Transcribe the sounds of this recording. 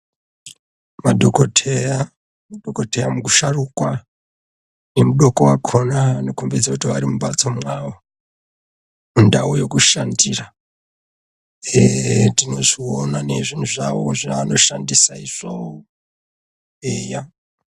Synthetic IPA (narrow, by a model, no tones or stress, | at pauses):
madʱokotʰeja | mudʱokotejamukuʃarukwa | ne̞muɗo̞ko̞wakʰo̞nanokumbed͡zakutiʋa̰ɾimuɓat͡somwawo | mundaojo̞kuʃandiːra | etino̞ʐionane̞ʐin̤uʐaʋo̞ʐiaano̞ʃandisaiʐ̥ao | eːja